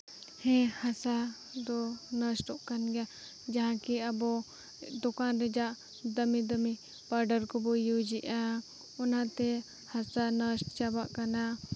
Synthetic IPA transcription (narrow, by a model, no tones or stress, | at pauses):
hɛ̃hasa | d̪ɔnəsʈɔʔkanɡɛja | d͡ʒaɦãkiabɔ | d̪ɔkanɾɛd͡ʒaʔ | d̪əmid̪əmi | paɾɖəɾkɔbɔjud͡ʒiʔa | ɔnat̪ɛ | hasanəsʈt͡ʃabaʔkana